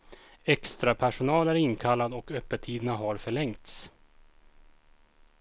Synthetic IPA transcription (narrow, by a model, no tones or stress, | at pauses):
ɛkst̪ɾapʰæʂʊnɑːlæɾɪnːkʰalːad̪ɔkœpːət̪ʰiːd̪ənaɦaɾfœɭɛŋt̪s